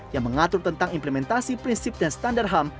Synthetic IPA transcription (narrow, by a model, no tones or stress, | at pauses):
jaŋməŋat̪ʊrt̪ənt̪aŋimpləmɛnt̪asipɾinsip̚danst̪andarɦam